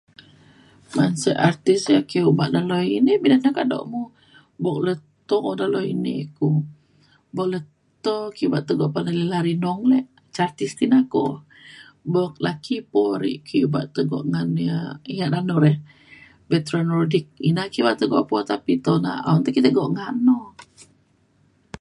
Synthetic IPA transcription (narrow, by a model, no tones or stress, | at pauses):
mansəʔart̪isəkeubaʔdalɔinehbidanakadɔ̰ʔmu | bɔk̚lət̪ɔʔodalɔḭnḭku | bɔklət̪ɔkibaʔt̪əɡɔʔpanalilaɾinɔŋlɛʔ | t͡ʃart̪ist̪inakɔ̰ | bɔk̚lakipɔɾḭʔkʰiuba̰ʔt̪əɡɔ̰ʔŋaniəiŋaʔdanɔɾɛh | bɛt̪ɾanɔrdik̚ḭnakibaʔt̪əɡɔʔpɔt̪apit̪ona̰ʔa̰nt̪ukit̪əɡɔʔŋanɔ